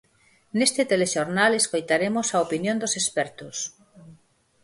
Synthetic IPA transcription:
nest̪et̪eleʃoɾnaleskojt̪aɾemosɐopinjõnd̪osespɛɾt̪ʊs

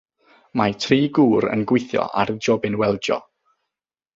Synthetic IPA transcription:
matʰriːɡuːɾə̰nɡwɪjθjɔ̰ʔa̰rd͡ʒɔbɪnwɛlˠd͡ʒɔ̰

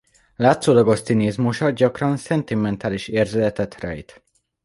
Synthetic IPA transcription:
laːt̪soːlɒɡo̞ʃt̪sineːzmuʃɒd̪̚ɟɒkrɒnsɛnt̪imɛnt̪aːliʃeːrzølɛt̪ɛt̪rɛ̰jt̪

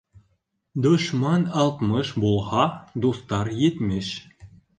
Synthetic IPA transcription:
d̪oʃmɑnɑlˠt̪mɤʃbolˠʁɑd̪ust̪ɑɾjet̪mɘʃ

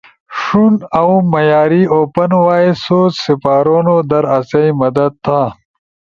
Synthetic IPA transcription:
ʂunɐwmɐjaːɾioːpɐnwaːisoːt͡ssipaːɾoːnod̪ɐɾɐsɐjmɐd̪ɐd̪̚t̪ʰa

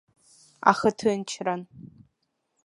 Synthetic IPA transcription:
a̰χɨtʰɨnt͡ʃʰran

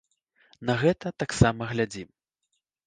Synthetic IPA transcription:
nɐɣɛt̪ɐt̪aksamɐɣlʲad͡zʲim

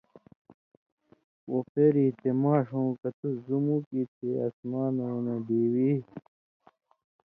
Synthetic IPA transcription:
wopʰeɾiːt̪emaːʂõːkɐt̪uzumukit̪ʰeɐ̰smaːnɐenɐd̪iːwi

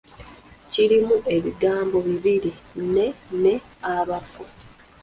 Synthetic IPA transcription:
ciɾimuʔe̞βiɡaːmbo̞βiβiɾine̞ne̞ | aβafu

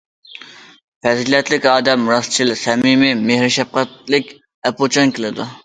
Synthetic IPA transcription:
pɛzlɛt̪lɪkʲɑːd̪ɛmɾɑst͡ʃʰilsɛmimɪmehɾɪʃɛp̚qæt̪lɪkʲ | ɛpot͡ʃʰɑnkʲʰɪlɪd̪u

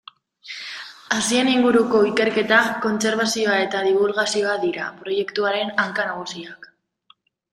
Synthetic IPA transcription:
asie̞niŋɡuɾuko̞ike̞ɾke̞t̪ako̞nse̞ɾβ̞asio̞ae̞t̪aðiβ̞ulɣasio̞aðiɾapɾo̞je̞kt̪uaɾe̞naŋkanaɣ̞usiak

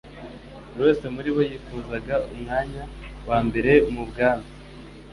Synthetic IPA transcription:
ɾwe̞ːse̞muɾiβo̞jiːfuːzaɡaumŋaːɲawaːmbe̞ɾe̞mubɡaːmbai

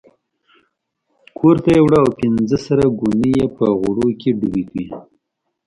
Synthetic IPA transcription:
kʰoɾt̪ajewɽaːwpɪnzəsaɾaɡunijepəɣʊɽokeɖubikwi

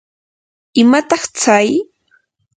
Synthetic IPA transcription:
ɪmat̪ɑχt͡saj

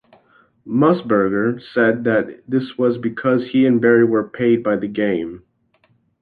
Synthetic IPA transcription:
mʌsbə˞ɡə˞sɛd̪̚ðɨt̪̚ðɪswʌzbɨkʰʌz̥hiɨ̃nbɛɹiwə˞pʰeɪd̚baɪðɨɡẽɪ̃m

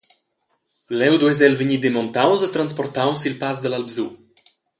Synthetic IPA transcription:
lɛwd̪wɛzɛlvəɲid̪emɔ̃nt̪awzət̪ɾãnspɔɾt̪awsilpazd̪əlalbzu

